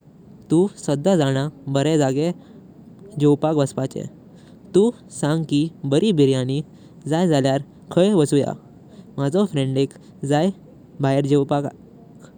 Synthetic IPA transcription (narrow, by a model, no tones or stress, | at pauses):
t̪ũsəd̪ːad͡zaɽ̃abəɾɛd͡zaɡe | d͡ʑewpakʋəspat͡ɕḛ | t̪ũ | sãŋɡkibəɾibiɾjãni | d͡zajd͡zaljaɾ | kʰəjʋəsuja̰ | mad͡zɔfɾẽɳɖek | d͡zaj | bajəɾd͡ʑewpak | k